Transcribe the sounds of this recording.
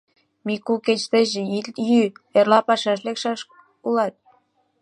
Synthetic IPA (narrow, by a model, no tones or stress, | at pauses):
mikuket͡ɕt̪eʒejyerlɑpɑʃɑʃ̬lekʃɑʃ | ulɑt̪̚